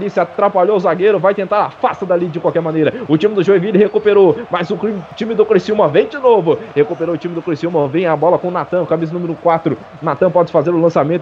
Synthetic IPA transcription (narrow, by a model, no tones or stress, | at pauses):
lisɪat̪ɾapaʎoʊzaɡeɾʊvajt̪ẽnt̪aɾa̰fast̪ɐd̪alid͡ʒɪkwawkɛɾmɐ̃nejɾɐʊt͡ʃĩmɪd̪ʊʒoevilɪhekupeɾomɐzʊkɾit͡ʃĩmɪd̪ʊkɾisiũmɐvẽj̃d͡ʒɪnovʊhekupeɾoʊt͡ʃĩmɪd̪ʊkɾisiumɐvẽj̃ɐabɔlɐkõʊnat̪ɐ̃w̃kamiz̬ɐnumɪɾʊkwat̪ɾʊ | nat̪ɐ̃w̃pɔd͡ʒɪfazeɾʊlɐ̃samẽt̪